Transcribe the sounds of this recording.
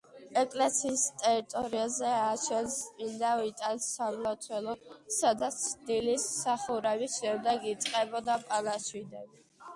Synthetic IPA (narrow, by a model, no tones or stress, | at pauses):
ɛkʼlɛsʰiːst̪ʼɛɾit̪ʼɔɾiazɛaʃʰɛnsmind̪avit̪ʼansamlat̪ʰwɛlˠɔsad̪at̪sʰd̪ilisːaχuɾɛbiʃɛmd̪ɛɡit̪sʼqʼɛbɔd̪apʼalaʃwid̪an